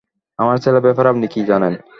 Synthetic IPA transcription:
amaɾt͡ɕʰelebɛpaɾapnikid͡ʑanen

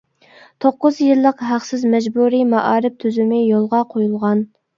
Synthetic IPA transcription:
t̪ʰoqːʊzjilˠːəqɦæqsɪzmɛd͡ʒbuɾimɑʔɑːɾɪp̚t̪ʰyzymɪjolˠʁɑqʰojulˠʁɑn

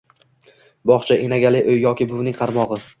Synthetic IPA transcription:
bɒχt͡ʃʰaʔenaɡʲalɪʔɵjːɒkʲɪbʊwnɪŋʲqʰɑɾmɒʁɨ

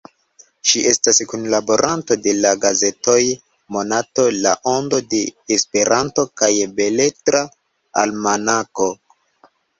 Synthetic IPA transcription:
ʃiʔe̞staskunlabo̞ɾʔanto̞de̞laɡaze̞to̞j | mo̞nato̞laʔo̞ndo̞de̞ːspe̞ɾanto̞kajbe̞le̞tɾa | a̰lmanako̞

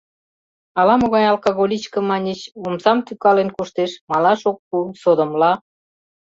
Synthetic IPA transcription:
ɑlɑmoɣɑjɑlˠkoɣolʲit͡ɕkə̆mɑnʲet͡ɕomsɑmt̪ykɑlenkuʃt̪eʃmɑlɑʃok̚ːusod̪ə̆mlɑ

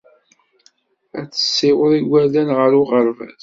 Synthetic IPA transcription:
æt͡sːə̥sːɪwəðˤiwælænʁəɾʊʁəɾvæ̰z

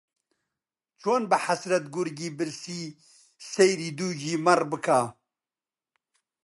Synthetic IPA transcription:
t͡ʃʰoːnbɨħasɾɐt̪ɡuɾɡiːbɨɾsiː | sejɾiːd̪uːd͡ʒiːmɐrbɨkʰaː

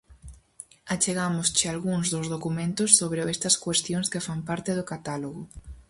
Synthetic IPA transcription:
at͡ʃeɣamʊst͡ʃɪalɣuŋzðʊzðokumẽnt̪ʊsːoβɾeest̪ɐskwest̪joŋskɪfampaɾt̪ɪðʊkat̪aloɣʊ

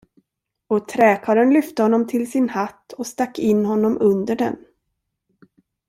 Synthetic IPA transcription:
ɔt̪ʰɾɛːkʰɑːɾənlʏft̪əhɔnːɔmt̪ʰɪlsɪnhat̪ːɔst̪akːɪnːhɔnːɔmɵnd̪əɖɛ̰n

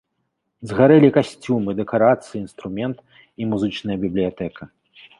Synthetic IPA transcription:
zɣaɾɛlʲikasʲt͡sʲumɨd̪ɛkaɾat̪sɨjiːnst̪ɾumʲɛnt̪ | imuzɨt͡ʂnɐjɐbʲiblʲijat̪ɛkʰɐ

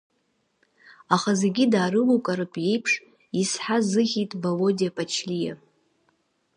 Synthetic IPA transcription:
aχazeɡʲidaːɾɨlukʼaɾɨpʼje̞jpʰʂ | isħazɨχʲitʼbalo̞diapʼat͡ʃʰlija̰

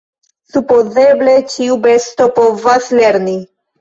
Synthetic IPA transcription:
supozeblet͡ʃiubest̪opovasleɾni

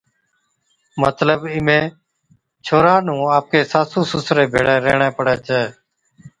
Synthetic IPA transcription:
mət̪ləbɪmẽː | t͡ʃʰoːɾaːnũːaːp̚kʰeːsaːsũːsʊsɾeːbʱḛːɽeːɾḛːɳẽːpəɽeːt͡ʃʰeː

